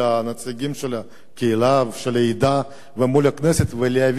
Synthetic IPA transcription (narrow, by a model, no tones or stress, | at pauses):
anat͡siɡʲimʃela | kʲeilavʃeleid̪a | vemulakneset̪velejav